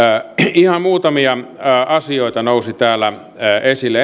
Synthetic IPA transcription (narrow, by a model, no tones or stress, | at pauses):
ihɑmuːt̪ɑmiɑʔɑsioˑit̪ɑnousit̪æːlːæ | esilːe